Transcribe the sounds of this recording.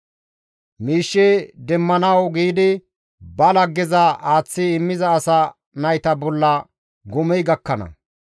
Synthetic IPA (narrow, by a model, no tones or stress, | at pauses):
miːʃːɛd̪ɛmːɐnɐwɡiːd̪ɪ | bɐlɐɡːɪzɐaːt͡sːɪɪmːɪzɐːsɐ | nɐjt̪ɐbɔlːɐ | ɡɔmɛjɡɐkːɐnɐ̰